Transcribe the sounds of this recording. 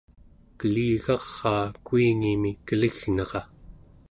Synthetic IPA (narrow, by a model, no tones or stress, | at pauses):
kəliːɣɑʁːɑːkuiŋimikəliɣnɑʁɑ